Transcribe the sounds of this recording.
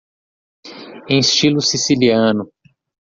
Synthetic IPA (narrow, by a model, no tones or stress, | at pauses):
ẽj̃st͡ʃilʊsisiliɐ̃nʊ